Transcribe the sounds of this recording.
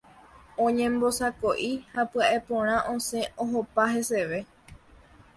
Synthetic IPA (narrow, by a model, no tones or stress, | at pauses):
õɲẽ̞mbo̞sako̞ʔihapɨaʔe̞põɾ̃ãʔõsẽ̞oɦopaɦe̞se̞ʋe̞